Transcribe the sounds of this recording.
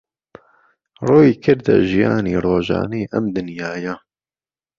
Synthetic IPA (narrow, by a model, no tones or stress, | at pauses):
roːjiːkʰɨɾd̪ɛ̰ʒijɑːniːroːʒɑ̰ːniːʔɐmd̪ɨnjaːja